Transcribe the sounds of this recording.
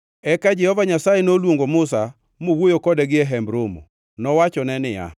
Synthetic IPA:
ɛkad͡ʒɛhɔvaɲasajenolwoŋɡomʊsa | mowojokɔdɛɡɪɛɦɛmbɾomo̰ | nɔwat͡ʃɔnɛnɪja̰

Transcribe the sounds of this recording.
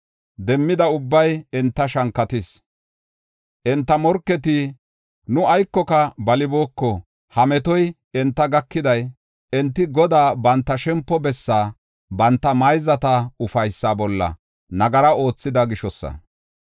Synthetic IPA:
d̪ɛmːɪd̪ɐʊbːɐjɛnt̪ːɐʃɐŋkːɐt̪ɪs | ʔɛnt̪ːɐmɔɾkːɛt̪i | nʊɐjkːɔkɐbɐlɪboːkːɔ | hɐmɛt̪ɔj | ɛnt̪ːɐɡɐkːɪd̪ɐj | ɛnt̪ːɪɡɔd̪aːbɐnt̪ːɐʃɛmpːɔbɛsːaː | bɐnt̪ːɐmɐjzɐt̪ɐʊfɐjsːabɔlːɐ̰ | nɐɡɐɾɐo̞ːt͡sːɪd̪ɐɡɪʃɔsːɐ̰

